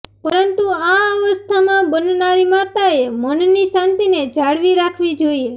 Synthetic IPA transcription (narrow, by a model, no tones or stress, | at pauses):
pəɾənt̪uaəʋəst̪ʰamãbənnaɾimat̪aemənnisãnt̪ined͡ʒʱaɽʋiɾakʰʋid͡ʒoie